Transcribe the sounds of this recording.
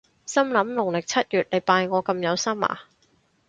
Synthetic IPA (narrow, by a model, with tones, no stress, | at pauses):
sɐ˥mlɐ˨˥mlʊ˨˩ŋlɪ˨k̚t͡sʰɐ˥t̚jyː˨˩t̚le˨˧jpaː˧jŋɔː˨˧kɐ˧mjɐ˨˧wsɐ˥ma̰ː˨˩